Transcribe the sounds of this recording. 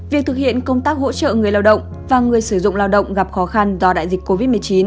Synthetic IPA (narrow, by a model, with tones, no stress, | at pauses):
vi˨˩ək̚t̪ʰɨ˨˩k̚hḭ˧˨ənkə˧wŋ͡mt̪aː˦˥k̚ho̰˧˥t͡ɕə̰ː˧˨ŋ˨˩əjlaː˧wɗə̰˧˨wŋ͡m | vaː˨˩ŋɨ˨˩əjsɨ˧˩zʊ̰˧˨ŋ͡mlaː˧wɗə̰˧˨wŋ͡mɣa˨˩p̚xɔ˨˦xa˧nzɔ˧ɗa̰ː˧˨jzi˨˩k̚ko˧vi˦˥t̚mɨ˨˩əjt͡ɕi˨˦n